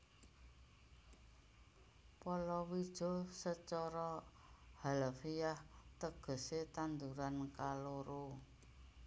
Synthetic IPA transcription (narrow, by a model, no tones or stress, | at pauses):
pɔlɔwid̥ʒ̥ɔ̤sət͡ʃɔɾɔ | halafijaht̪əɡ̥ə̤set̪and̪uɾankaloɾo